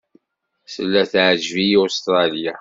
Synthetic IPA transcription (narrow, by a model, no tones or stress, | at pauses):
səlːæθʕʒviost̪ɾˤɑlija